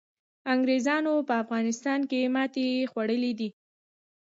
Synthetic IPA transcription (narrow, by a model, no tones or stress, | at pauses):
aŋɡɾezɑnopəafɣɑnɪst̪ɑnkemɑt̪exwaɽəlid̪i